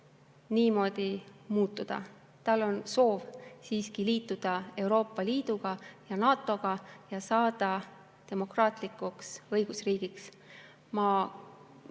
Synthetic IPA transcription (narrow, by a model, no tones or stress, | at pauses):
niːmo̞ːd̪̥imuːt̪ːˑud̪̥ɑ̰ | t̪ɑlːo̞nso̞ːvsiːskiliːt̪ːˑud̪̥ɑe̞wɾo̞ːpːˑɑliːd̪̥uɡ̥ɑjɑnɑːt̪ːˑo̞ɡ̥ɑjɑsɑːd̪̥ɑ | t̪e̞mo̞krɑːt̪likˑuksɤjɡ̥usriːɡ̥iks | mɑ